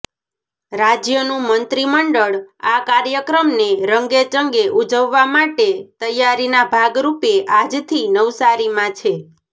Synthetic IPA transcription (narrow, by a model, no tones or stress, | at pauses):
ɾad͡ʒjənũmənt̪ɾiməɳɖəɭakaɾjəkɾəmneɾəŋɡet͡ʃəŋɡeʔud͡ʒəʋːamaʈet̪əjaɾinabʱaɡɾupeʔad͡ʒt̪ʰinəʋsaɾimãt͡ʃʰe